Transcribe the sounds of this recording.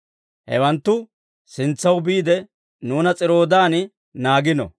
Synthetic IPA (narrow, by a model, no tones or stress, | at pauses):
hɛ̰wɐnt̪ːʊ | sɪnt͡sːɐwbiːd̪ɛ | nuːnɐt͡sʼɪɾo̞ːd̪aːn | naːɡɪnɔ̰